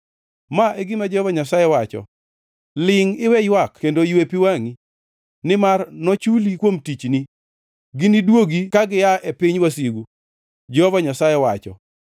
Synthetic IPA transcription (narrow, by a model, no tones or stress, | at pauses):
maʔeɡɪmad͡ʒɔvaɲasajɛwat͡ʃɔ̰ | lɪŋɪwɛjwakkendoiwepiwaŋi | nɪmarnɔt͡ʃulikwomtit͡ʃnɪ | ɡɪnidwoɡikaɡɪjaʔepɪɲwasiɡu | d͡ʒɔvaɲasajɛwat͡ʃɔ̰